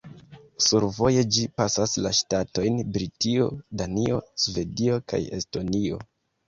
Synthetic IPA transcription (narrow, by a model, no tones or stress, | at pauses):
suɾvo̞je̞d͡ʒipasaslaʃtato̞jnbɾitio̞danio̞̰sve̞dio̞ka̰je̞̰sto̞nio̞̰